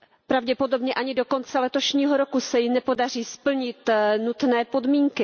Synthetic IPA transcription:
pɾavɟɛpo̞do̞bɲɛʔaɲɪdo̞ko̞nt͡sɛlɛt̪oʃɲiːɦoɾokusɛjɪnɛpo̞dar̝iːspl̩ɲɪt̪nut̪nɛːpo̞dmiːŋkɪ

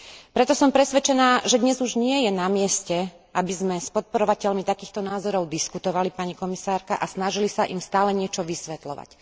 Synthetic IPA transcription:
pɾɛt̪ɔsɔmpɾɛsʋɛt͡ʃɛnaːʒɛd̪ɲɛzuʒɲɪɛjɛnamɪɛscɛ | ʔabizmɛspɔt̪̚pɔɾɔʋacɛʎmit̪akiːxt̪ɔnaːzɔɾɔʊd̪iskut̪ɔʋalipaɲikɔmisaːɾkaʔasnaʒilisaʔimst̪aːlɛɲɪɛt͡ʃɔʋisʋɛt̪lɔ̰ʋa̰c

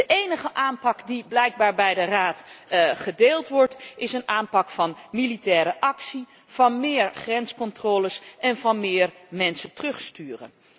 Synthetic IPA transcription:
dəʔejnəχəʔaːnpɑkdiblɛjɡ̚baːɹbɛjdəraːtχədeːlˠtʋɔɹtɪsənaːmpɑkfɑnmilitɛːɾəʔɑksi | v̥ɑnmɪːɹχrɛnskɔntroːləsʔɛnvɑnmɪːɹmɛnsətrɵχstyːrə̰n

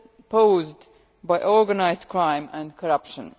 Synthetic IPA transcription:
pʰoʊzd | baɪʔɔɹɡənaɪzdkʰɹãɪ̃mæ̃ndkʰɔɹʌpʃə̰̃n

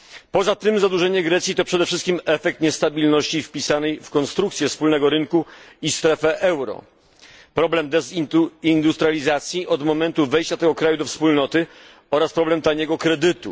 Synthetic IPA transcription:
pɔzat̪ɘmzad̪uʐɛɲɛɡɾɛt̪sʲjit̪ɔpʂɛd̪ɛfʂɘst̪kʲimɛfɛk̚t̪ɲɛst̪abʲilnɔɕt͡ɕifpʲisanɛjfkɔnst̪ɾukt̪sʲjɛfspulnɛɡɔɾɘŋkuist̪ɾɛfɛʔɛwɾɔ̰ | pɾɔblɛmd̪ɛzind̪ust̪ɾalʲizat̪sʲjiʔɔd̪mɔmɛnt̪uvɛjɕt͡ɕat̪ɛɡɔkɾajud̪ɔfspulnɔt̪ɘ | ɔɾaspɾɔblɛmt̪aɲɛɡɔkɾɛd̪ɘt̪ṵ

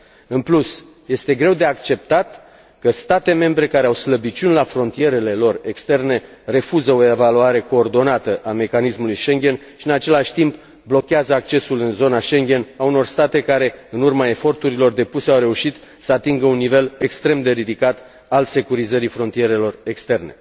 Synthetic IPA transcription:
ɨnplus | je̞st̪e̞ɡɾe̞wd̪e̞akt͡ʃe̞p̚t̪at̪ | kəst̪at̪e̞me̞mbɾe̞kaɾeawsləbit͡ʃunlafɾo̞nt̪ije̞ɾe̞le̞lo̞re̞kst̪e̞rne̞ | re̞fuzəo̞evaluaɾe̞ko̞ːrd̪o̞nat̪əʔame̞kanismulujʃe̞ŋɡʲe̞n | ʃiɨnat͡ʃe̞laʃʲt̪imp | blo̞kʲeazəakt͡ʃe̞sulɨnzo̞naʃe̞ŋɡʲe̞nauno̞rst̪at̪e̞kaɾe̞ɨnurmae̞fo̞rt̪uɾilo̞rd̪e̞puse̞awɾe̞uʃit̪ | səat̪iŋɡəunːive̞le̞kst̪ɾe̞md̪e̞ɾid̪ikat̪ | alse̞kuɾizəɾifɾo̞nt̪ijeɾe̞lo̞re̞kst̪e̞rne̞̰

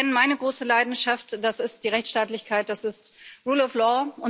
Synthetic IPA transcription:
ɛnənmaɪnəɡʁoːsəlaɪdn̩ʃaftd̥asɪst̚d̥iːʁɛçtʃtaːtlɪçkʰaɪt̚d̥asɪstʁuːlɔflɔːʔʊn

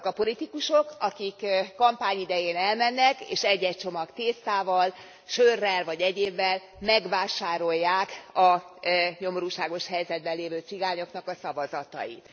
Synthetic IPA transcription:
kɒpo̞lit̪ikuʃokɒkikːɒmpaːɲid̪ɛjeːnɛlmɛnːɛkḛːʃɛɟːɛc̚t͡ʃo̞mɒkt̪eːst̪aːvɒl | ʃøːrːɛlvɒɟɛɟeːvːɛl | mɛɡʋvaːʃaːɾo̞jːaːkɒ | ɲo̞moɾuːʃaːɡo̞ʃhɛjzɛd̪̚bɛlːeːvøːt̪siɡaːɲo̞knɒkɒsɒvɒzɒt̪ɒ̰jḭt̪

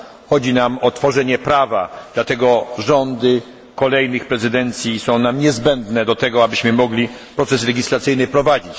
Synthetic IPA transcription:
xɔd͡ʑinamɔt̪fɔʐɛɲɛpɾavad̪lat̪ɛɡɔʐɔnd̪ɘ | kɔlɛjnɘxpɾɛzɘd̪ɛnt̪sʲjisɔ̃w̃namɲɛzbɛnd̪nɛd̪ɔt̪ɛɡɔabɘɕmɘmɔɡlʲipɾɔt̪sɛslɛɡʲislat̪sɘjnɘpɾɔvad͡ʑit͡ɕ

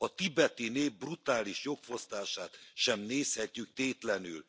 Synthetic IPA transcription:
ɒt̪ibɛt̪ineːvbrut̪aːliʃjo̞kfo̞st̪aːʃaːt̪ʃɛmneːshɛcːyk̚t̪eːt̪lɛny̰l

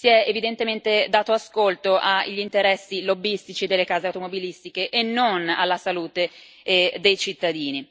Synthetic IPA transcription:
siɛevid̪ent̪ement̪ed̪aːt̪oaskolt̪oʔaʎːint̪eɾɛsːilobːist̪it͡ʃid̪elːekaːzeawt̪omobilist̪ikeʔːnːona̰lːasaluːt̪e | d̪ejt͡ʃit̪ːad̪iːni

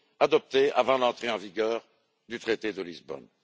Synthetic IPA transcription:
ad̪ɔp̚t̪ea̰vɑ̃lɑ̃t̪χeɑ̃viɡʲœːʁ | d̪yt̪χet̪ed̪əlizbɔ̰n

